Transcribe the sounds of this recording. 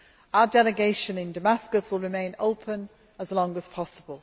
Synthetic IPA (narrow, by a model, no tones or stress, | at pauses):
aʊədɛlɪɡeɪʃə̃nɪ̃ndəmaskəswɪlˠɹɪmẽɪ̃nəʊpʰə̃n | əzlɒ̃ŋəz̥pʰɒsəbəlˠ